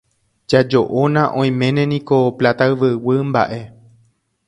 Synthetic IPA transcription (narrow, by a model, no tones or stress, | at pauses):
d͡ʒad͡ʒo̞ʔonãʔõ̞j̃mẽ̞nẽ̞nĩko̞plat̪aɨʋɨwɨmba̰ʔe̞